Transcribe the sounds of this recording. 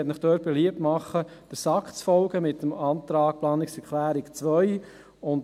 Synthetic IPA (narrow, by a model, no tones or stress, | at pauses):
ɛtnɪχd̥øːɾt̚b̥ɛliəp̚tmɑχːəd̥əsɑkχt͡sfɔlɡəmɪtəmɑːnt̪ɾɑːk̚plɑːnɪksɛɾkʰlæːɾɪkt͡sʋœʏ | ʊnt